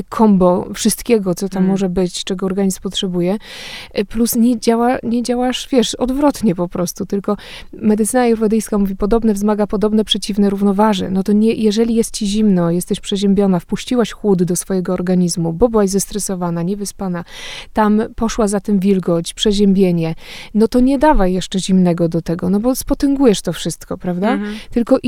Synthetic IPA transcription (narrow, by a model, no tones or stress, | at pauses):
kʰɔmbɔfʂɨst̪kʲɛɡɔt̪sɔt̪amːɔʐɛbɘt͡ɕt͡ʂɛɡɔːɾɡaɲismpɔt̪ʂɛbujɛ | plusɲɛd͡ʑawaɲɛd͡ʑawaʂvʲjɛʂɔd̪vɾɔt̪ɲɛpɔpɾɔst̪ut̪ɘlkɔ | mɛd̪ɘt̪sɘnaɛɾvɛd̪ɘjskamuvʲipɔd̪ɔbnɛvzmaɡapɔd̪ɔbnɛpʂɛt͡ɕivnɛɾuvnɔvaʐɛ̰nɔt̪ɔɲɛjɛʐɛlʲijɛst̪̚t͡ɕiʑimnɔjɛst̪ɛɕpʂɛʑɛmʲbʲjɔnafpuɕt͡ɕiwaɕxwud̪d̪ɔsfɔjɛɡɔːɾɡaɲizmubɔbɘwaʑzast̪ɾɛsɔvanaɲɛvɘspanat̪ampɔʂwazat̪ɛmvʲilɡɔt͡ɕpʂɛʑɛmbʲjeɲɛnɔt̪ɔɲɛd̪avajːɛʂt͡ʂɛʑimnɛɡɔd̪ɔt̪ɛɡɔnɔbɔspɔt̪ɛŋɡujɛʂt̪ɔfʂɘst̪kɔpɾavd̪at̪ɘlkɔʔ